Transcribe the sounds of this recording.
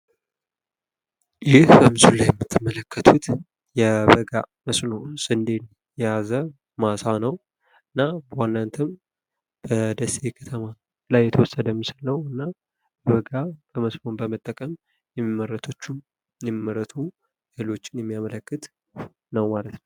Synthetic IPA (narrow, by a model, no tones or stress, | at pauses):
jɪhbəmɨzulajːɛmːɨt̪ʰːɨmələkʰːət̪ʰut̪ | jɛbəɡa | məsʼnosʼɨnd̪en | jɛjazə | masanəw | ɨnːawanːant̪ʰɨm | b̥əd̪əsekʰət̪ʰəma | lajːɛt̪ʰəwɔsəd̪əmisalːəwɨnːa | bɛβəɡab̥əməsmo̞nbəmət̪ʼːəkʼəm | jɛmimːəɾːət̪ʰo̞t͡ʃːum | jɛmmːəɾət̪ʰu | elo̞t͡ʃːɪnjɛmːijamələkːɨt̪ | nəwmalət̪nəw